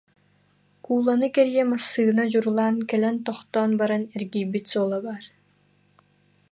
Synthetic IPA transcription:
kuːlˠanɯkɛɾijɛmasːɯːnad͡ʑuɾulˠaːnkɛlɛnt̪ɔχt̪ɔːnbaɾanɛɾɡiːbit̪sɔːlˠabaːɾ

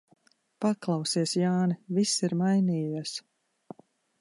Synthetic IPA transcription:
paklˠɑwsiɛsjaːnɛvisiɾmajniːjiɛs

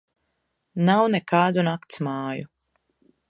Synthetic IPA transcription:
nawnɛkaːd̪unakt̪smɑːju

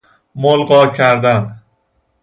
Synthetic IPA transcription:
molɢɒːcʰæɾd̪æn

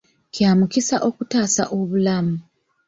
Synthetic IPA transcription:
kjaːmukisaʔo̞kutaːsaʔo̞βulamu

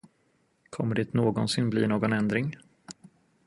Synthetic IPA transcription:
kʰɔmːəɖɛt̪noːɡɔnsɪnblḭːnoːɡɔnɛnd̪ɾɪŋ

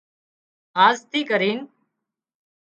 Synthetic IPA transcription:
ɦaːzt̪ʰiːkəɾiːn

